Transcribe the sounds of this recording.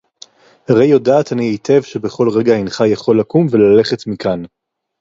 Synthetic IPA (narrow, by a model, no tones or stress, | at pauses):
haʁejːo̞daːtaniejtʰe̞vʃe̞be̞χo̞lʁe̞ɡainχajaχo̞lakumve̞lale̞χe̞tmikʰan